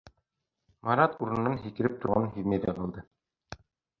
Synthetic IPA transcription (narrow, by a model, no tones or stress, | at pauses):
mɑɾɑt̪uɾɤ̆n̆nːɑnɦikɘ̆ɾɘp̚t̪ŭɾʁɑnhiðmeðæqɑlˠd̪ɤ